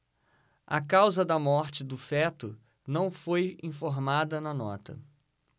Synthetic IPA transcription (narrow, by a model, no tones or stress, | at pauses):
ɐ̰kawzɐd̪ɐmɔɾt͡ʃɪd̪ʊfɛt̪ʊ | nɐ̃w̃fojĩfoɾmad̪ɐnɐnɔt̪ɐ̰